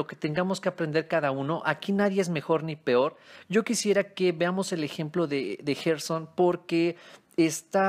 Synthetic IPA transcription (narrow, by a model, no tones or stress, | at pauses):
oke̥t̪e̞ŋɡamo̞ske̞apɾe̞nd̪e̞ɾkaðauno̞ʔakinaðje̞ezme̞xo̞ɾnipe̞o̞ɾɟ͡ʝo̞kisje̞ɾake̞βeamo̞se̞le̞xe̞mplo̞ðeðe̞xeɾso̞npo̞ɾke̞ | est̪a